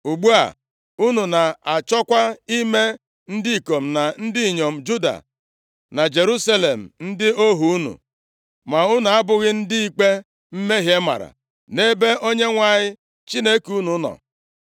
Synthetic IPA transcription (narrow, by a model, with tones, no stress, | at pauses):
u˨ɡ͡bu˦a̰˨ | u˦nu˨na˨a˨t͡ʃɔ˦kʷa˦i˦me˦ | n̩˦dɪ˦i˨ko˨m̩˨na˨n̩˦dɪ˦i˨ɲo˨m̩˨d͡ʒu˦da̰˨ | na˨d͡ʒe˨ɾu˦sa˦le˨m̩˨n̩˦dɪ˦o˦ɦu˨u˦nṵ˨ | ma˨u˦nu˨a˦bʊ˦ɣɪ˦n̩˦dɪ˦i˦k͡pe˦ | m̩˦me˦ɦje˦ma̰˨ɾa̰˨ | ne˦be˦ʔo˦ɲe˦ŋʷa˨ɲɪ˦ | t͡ʃi˦ne˦ku˦nu˨˦nɔ̰˨